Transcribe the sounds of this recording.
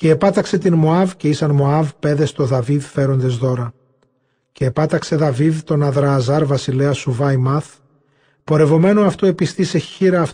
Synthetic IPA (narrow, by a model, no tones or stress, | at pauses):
ce̞ːpɐt̪ɐkse̞t̪inmoɐvce̞isɐnmo̞ɐvpe̞ðe̞st̪o̞ðɐviðfe̞ɾo̞nd̪e̞zðo̞ɾɐ | ce̞ːpɐt̪ɐkse̞ðɐviðt̪o̞nɐðɾɐːzɐɾvɐsileɐsuvɐjmɐθ | po̞ɾe̞vo̞me̞noɐft̪ue̞pist̪ise̞çiɾɐːf